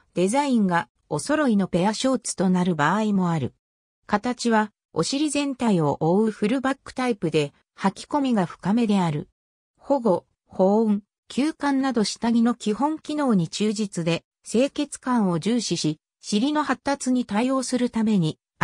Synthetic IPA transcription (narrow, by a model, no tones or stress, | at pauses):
d̪̥e̞zaĩŋɡa | o̞so̞ɾo̞ino̞pe̞jaɕo̞ːt͡sɨ̥t̪o̞naɾɯ̟baːimo̞aɾɯ̟̰ | kat̪at͡ɕiβ̞a | o̞̰ɕiɾʲizẽ̞nt̪aio̞ʔoɯ̟ɸɯ̟ɾɯ̟bakːɯ̟̥t̪aipɯ̟d̪e̞ | hakʲi̥ko̞mʲiɡaɸɯ̟̥kame̞d̪e̞aɾɯ̟̰ | ho̞ɡo̞ | ho̞ːɯ̃ŋ | kʲʰɨːkãnnːad̪o̞ɕi̥t̪aɡʲino̞kʲihõ̞ŋkʲino̞ːɲ̟it͡ɕɨːʑit͡sɨd̪e̞ | se̞ːke̞t͡sɨ̥kãɰ̃o̞ʑɨːɕiɕi | ɕiɾʲino̞hat̪ːat͡sɨɲ̟it̪aio̞ːsɨɾɯ̟t̪ame̞ɲ̟i